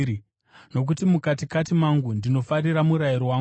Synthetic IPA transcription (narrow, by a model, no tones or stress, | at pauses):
no̞k̬utimukatikatimaŋɡundino̞fariɾamuɾaiɾowaː